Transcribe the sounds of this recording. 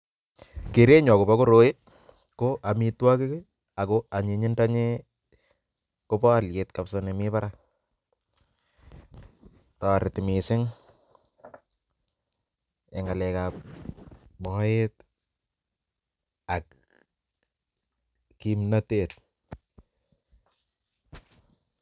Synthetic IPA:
ke˨ɾe˦ɲɔ˨ko˨ba˦ko˦ɾo˦je˦ | koʔa˨mi˦twa˦ke˦k | a˨koa˨ɲe˨ɲɪ˦nda˦ɲe˦ | ko˦pɔ˦a˨lje˨tkapsɔne˨mɪ˦pa˦ɾa˦ | tɔ˨ɾɪ˨tɪmɪ˨sɪ˦ŋ | ɛ˨ŋɡa˨lɛ˨kap̚ | bɔet | a˨k̚ | kimnatet̚

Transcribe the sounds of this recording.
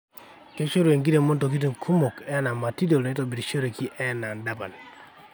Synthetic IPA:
ke˦ʃo˦ɾu˨e˨ŋɡi˦de˨mo˦nto˨k̬i˦t̬i˨ŋ˨kʰu˦mo˨kɛ˦na˨ma˨ti˦do˨le˦to˨bi˨ɾʃo˦ɾe˨ki˦ʔɛ˦˨na˨nda˦pa̰˨n˨

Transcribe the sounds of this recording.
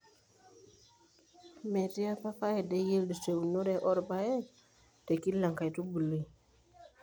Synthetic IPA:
me˨ti˦ja˦pa˦pa˦je˨de˦je˦ldi˨t͡ʃe˨wu˨nu˦ɾe˦ʔo˦ɾba˦je˦ | te˨ki˦lːa˨ŋka˨jtu˦bu˨li˦˨

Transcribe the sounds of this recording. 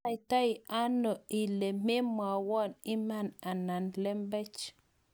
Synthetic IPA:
jta˦i˨a˦nɔ˨i˨le˨me˦mwa˨wɔ˦ni˦ma˦˨na˨na˨nlɛ˦mbɛ˦t͡ʃ

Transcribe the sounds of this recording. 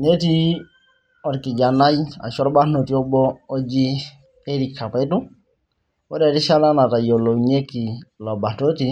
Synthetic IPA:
ne˦ti˦ | ɔ˨ɾki˨d͡ʒa˨na˦ja̰˨ʃɔ˦ɾba˦no˨ti˦ɔ˦bɔː˦d͡ʒi˦ | e˦ɾi˨kʰːa˨pɛ˦du˦ | ɔ˦dɛ˨ti˦ʃa˦la˦na˨ta˨jo˨lo˨ɲe˦ki˨lɔ˨ba˨to˦ti˦

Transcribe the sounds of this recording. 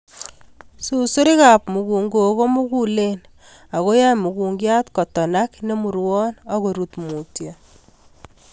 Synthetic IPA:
su˨su˦ɾi˦ka˨pmu˨ku˨ŋɡo˨ko˦mu˦ku˦len | a˨ɣo˦ja˦mu˨ku˨ŋɡja˦tkɔ˨tɔ˨nakne˦mu˨ɾwɔ˦na˦ɣo˨ɾutmu˨tja

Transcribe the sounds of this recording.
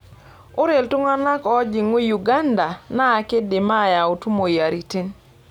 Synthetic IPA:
ʊ˦ɾe˨ltu˦ŋa˦na˦kɔ˦d͡ʒi˨ŋo˦ju˨ɡa˦nda˨naː˦˨ke˦de˨ma˦˨ja˨u˨tu˦mo˨ja˨ɾi˨ti˦n

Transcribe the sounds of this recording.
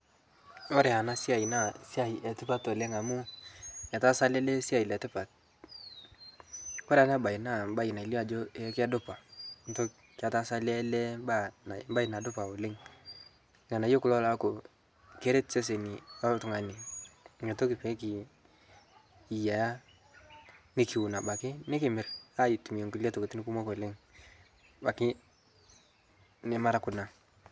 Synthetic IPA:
o˦ɾe˨a˨na˦si˦a˨i˨na˦˨si˦a˨jɛ˨tɪ˦pa˦to˨le˦ŋa˨mu˦ɲa˨ta˦sa˦lɛ˦le˦si˦a˨i˨lɛ˨tɪ˦pa˨t̚ | ko˦ɾa˨˦na˦ba˨i˨na˦˨mba˦i˨na˨i˨li˦a˨d͡ʒo˦e˦ka˦dʊ˦pa˨ŋ˨to˦ | ka˨ta˦sa˦lɛ˦le˦ba˦na˨m˦ba˦i˨na˨dʊ˦pa˨o˨le˦ŋ | ŋa˨na˨˦jo˦kʊ˦lɔ˦la˦ko˨ | ke˦ɾe˦tse˦s̬e˨ni˨a˦tʊ˦ŋa˨ni˨ŋe˨to˦kɪ˨pe˨˦ki˨ | ja˨ja˦ | nɪ˦ki˨u˨na˨ba˨kɪ˦nɪ˦kɪ˨mɪ˨ɾa˦i˨tu˨m˨e˨ŋku˨lja˦to˨ke˨ti˦nɪ˦ku˦mo˦ko˨le˦ŋ | ba˨kɪ˦ | nɪ˦ma˦ɾa˦kʊ˨na˨

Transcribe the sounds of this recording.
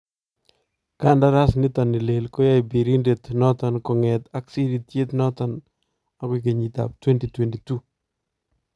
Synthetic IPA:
ka˦nda˦ɾa˦snɪt̪a˨ni˨le˨lko˦ja˦jbi˨ɾi˦ndet̪nɔ˦ta˨nkɔ˨ŋɛt̪a˦ksi˦dit̪je˦t̪nɔta˨n | a˨ki˨k̬e˨ɲi˨t̪a̰˨p̚twɛ˦nti˨twɛ˨ntitu˦

